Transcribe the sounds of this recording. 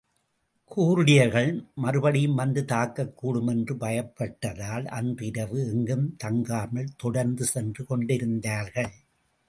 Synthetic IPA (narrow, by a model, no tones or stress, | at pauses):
kʰuːɾɯɽɪjɐɾɣɐɭmɐɾɯbɐɽɪjɯmːɐnd̪ɯt̪aːkːɐkːuːɽɯmɛndrɯbɐjɐpːɐʈːɐðaːlɐ̰ndrɪɾɐʋɯɛŋɡɯmt̪ɐŋɡaːmɐɭt̪ɔɽɐɾnd̪ɯsɛndrɯkɔɳɖɪɾɯnd̪aːɾɣɐɭ